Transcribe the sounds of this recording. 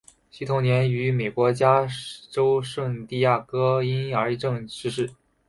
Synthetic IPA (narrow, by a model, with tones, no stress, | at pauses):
ɕi˥˩t̪ʰʊ˧˩ŋnjɛ˧˥ny˧˥me˨˩ɪkwɔ˧˥t͡ɕja˥ʈ͡ʂo˥ʊʂwə˥˧ŋt̪i˥˧ja˥˩kɤ˥i˥nə˞˧˥˧ʈ͡ʂɤ˥˧ŋʈ͡ʂɻ̩˥˧ʂɻ̩˥˩